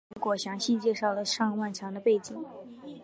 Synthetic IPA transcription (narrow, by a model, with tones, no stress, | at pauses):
kwɔ˨˩ɕjɑ˧˥ŋɕi˥˧t͡ɕjɛ˥˧ʂɑ˥˩ʊlə˩ʂɑ˥˧ŋwa˥˩nʈ͡ʂʰjɑ˧˥ŋd̪ə˧pe˥˩ɪt͡ɕi˨˩˦ŋ